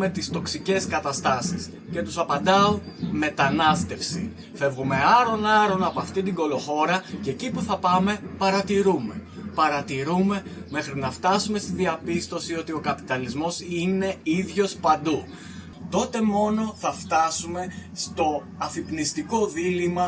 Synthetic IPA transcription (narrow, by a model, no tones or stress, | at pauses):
me̞t̪ist̪o̞ksice̞skɐt̪ɐst̪ɐsis | ce̞t̪usɐpɐnd̪ɐonme̞t̪ɐnɐst̪e̞fsḭ | fe̞vɣume̞ɐɾo̞nɐɾo̞nɐpoɐft̪ind̪iŋɡo̞lo̞xo̞ɾɐccipuθɐpɐme̞pɐɾɐt̪iɾume̞pɐɾɐt̪iɾume̞ | me̞xɾinɐft̪ɐsume̞st̪iðiɐpist̪o̞sio̞t̪io̞kɐpi̥t̪ɐlizmo̞sine̞iðʝo̞spɐnd̪u | t̪o̞t̪e̞mo̞no̞θɐft̪ɐsume̞st̪o̞ | ɐfipnist̪iko̞ðilimɐ